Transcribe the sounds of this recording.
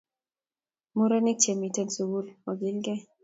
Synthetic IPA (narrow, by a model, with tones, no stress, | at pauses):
mu˦ɾa˦ni˦k̚t͡ʃɛ˨mi˨tɛ˦nsu˨wu˦lɔ˨ɡi˦lɡɛ˦